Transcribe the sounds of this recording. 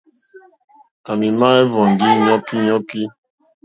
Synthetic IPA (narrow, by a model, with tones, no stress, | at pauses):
a˨ni˨ma˦e˦vɔ˨n̩˨dɪ˦ɲɔ˦ki˦ɲɔ˦ki˦